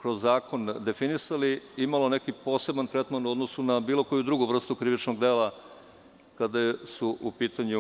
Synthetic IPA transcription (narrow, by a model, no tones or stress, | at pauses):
kɾozːaːkʰo̞nd̪e̞finisaliimalo̞ne̞kipo̞ːse̞bant̪ɾet̪manuod̪nosunabiːlˠo̞ko̞jud̪ɾuɡuʋr̩st̪ukɾiʋit͡ʃnoɡd̪e̞ːlˠa | kad̪ajesuʔupiːt̪aɲu